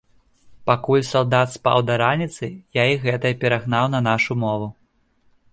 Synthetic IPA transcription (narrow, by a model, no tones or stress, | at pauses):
pakulʲsalˠd̪at̪spa̰wd̪ɐɾanʲit̪sɨjaiɣɛt̪ɐɐpʲɛɾaɣnawnɐnaʂumɔvu